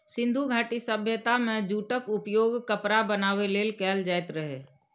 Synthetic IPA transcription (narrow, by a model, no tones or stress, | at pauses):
sɪ̃nd̪ʱuɡʱaːʈisəbʱjət̪amẽd͡ʒuːʈəkʊpjoːɡkəpɾabənaːweleːlkɛːld͡ʒaːɪt̪ɾəɦeː